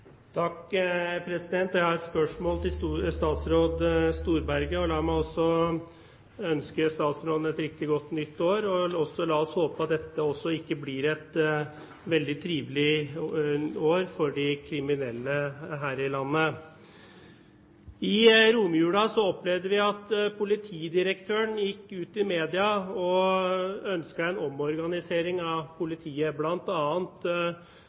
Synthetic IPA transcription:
t̪ʰɑkpʰɾɛsɪd̪ɛnt̪jɛæɑɾɛt̪spœʂmoːlt̪ʰɪlst̪ɑːt̪sɾoːd̪st̪uːɾbæɾɡəɔlɑːmæɪɔsːɔ | œnskəst̪ɑːt̪sɾoːd̪n̩ɛt̪ɾɪk̚t̪ɪɡɔt̪ːnʏt̪ːoːɾɔɔsːɔlɑːɔshoːpəɑt̪̚d̪ɛt̪ːəɔsːɔɪkːəblɪɾɛt̪ | ʋɛld̪ɪt̪ʰɾiːʋlɪ | oːɾfɔɖɪkʰɾɪmɪnɛlːəɦæːɾɪlɑnːə | ɪɾuːmjʉːɽɑsɔɔplɛʋd̪əʋɪɑt̪pʰʊlɪt̪ʰiːd̪ɪɾəkt̪ʰøːəɳjɪkːʉːt̪ɪmeːd̪ɪɑɔ | œnskəɛnɔmɔɾɡɑnɪseːɾɪŋɑʋpʰʊlɪt̪ʰiːəblɑnt̪ɑːənt̪

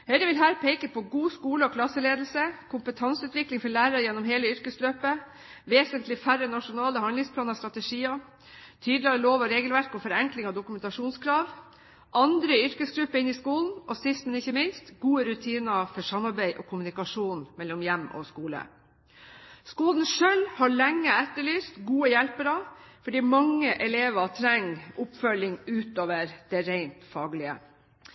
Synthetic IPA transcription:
hɛɪɾəʋɪlɦæːɾpʰeːkəpʰɔɡuːskuːləɔkʰlɑsːəleːd̪l̩səkʰʊmpət̪ʰɑnsʉːt̪ʋɪklɪŋfɔɭæːɾɑjɛnːɔmɦeːləʏɾkəsløːpə | ʋeːsənt̪lɪfæɾənɑʂʊnɑːləhɑnd̪ɪŋspʰlɑːnɑɾst̪ɾɑt̪əʂiːɑ | t̪ʰyːd̪lɪɑɾəloːʋɔɾeːɡəlʋæɾkɔfɔɾɛŋklɪŋɑd̪ʊkʉmɛnt̪ɑʂuːnskʰɾɑːʋ | ʔɑnd̪ɾəʏɾkəsɡɾʉpːəɪnːɪskuːln̩ʔɔsɪst̪mɛnɪçːəmɪnst̪ɡuːəɾʉt̪ʰiːnɑfɔʂɑmːɑɾbæɪʔɔkʰʊmʉnɪkɑʂuːnmɛlːɔmjɛmːɔ̰skuːlə̰ | skuːln̩ʂœlhɑɭɛŋːəɛt̪ːəɭyːst̪ɡuːəjɛlpəɾɑfɔɖiːmɑŋːəʔɛleːʋɑt̪ʰɾɛŋːʔʊpfœlːɪŋʉːt̪oːʋəɾd̪̥ɛɾæɪnt̪fɑːɡlɪə̰

